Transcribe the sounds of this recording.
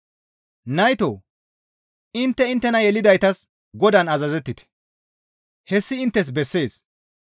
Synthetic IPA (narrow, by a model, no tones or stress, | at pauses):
nɐjt̪oː | ɪnt̪ːɛɪnt̪ːɛnɐjɛlɪd̪ɐjt̪ɐs | ɡɔd̪ɐnɐzɐzɛt̪ːɪt̪ɛ̥ | hɛsːɪːɪnt̪ːɛs̬bɛsːe̞ːs